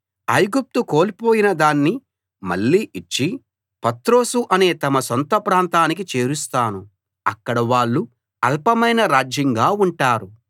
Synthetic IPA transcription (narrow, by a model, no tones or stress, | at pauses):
ɐjɡup̚t̪ukoːlipo̞ːjinɐd̪aːnːi | mɐ̰ɭːiːʔit͡ʃːi | pɐt̪ɾo̞ːsuʔɐne̞ːt̪ɐmɐsɔnt̪ɐpɾaːnt̪aːnik̬it͡ʃe̞ːɾust̪aːnu | ɐkːɐɽɐʋaːɭːu | ɐlpɐmɐjnɐɾaːd͡ʒjɐŋɡaːuɳʈaːɾu